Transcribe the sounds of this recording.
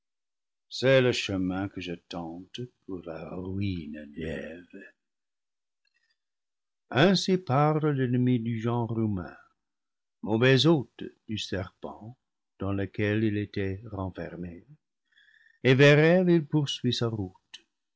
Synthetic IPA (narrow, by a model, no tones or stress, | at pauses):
sɛləʃəmɛ̃kəʒətɑ̃tpʰuʁla̰ʁʁyindɛv | ɛ̃sipaʁləlɛnəmidyʒɑ̃ʁumɛ̰̃ | movɛzotd̥ysɛʁpɑ̰̃ | d̪̥ɑ̃ləkɛlilet̪ɛʁɑ̃fɛ̰ʁme | evɛʁɛlilpuʁsɥisaʁut